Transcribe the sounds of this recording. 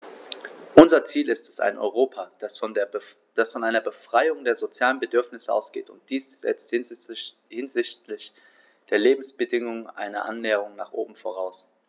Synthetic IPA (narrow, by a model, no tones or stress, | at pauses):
ʔʊnzɐt͡siːlɪstɛ̥sa̰ɪnʔɔ̰ʏʁ̞oːpʰḁs | d̥asfɔnʔaɪnɐbəfʁ̥aɪʊŋdeːɐzot͡sjaːlənbədʏɐfnɪsəʔa̰ʊsɡ̥ḛːtʊnt̚d̥iːsz̥ɛ̰t͡st | hɪnzɪçtlɪç | d̥eːɐleːbm̩sb̥ədɪŋʊŋʔa̰ɪnɐ̰ʔa̰nːɛːəʁ̞ʊŋnaːχʔo̰ːbm̩fo̰ʁ̞aʊs